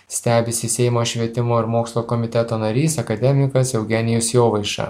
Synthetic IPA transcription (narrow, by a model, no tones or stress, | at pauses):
sʲt̪ʲæːbʲɪsʲɪsʲɛɪmoːʃʲʋʲiɛt̪ʲɪmoːɪɾmoːkslˠoːkɔmʲɪt̪ʲɛt̪oːnɐɾʲiːsɐkɐd̪ʲɛmʲɪkɐsjɛʊɡʲɛnʲɪjʊsjoːʋɐɪʃɐ̰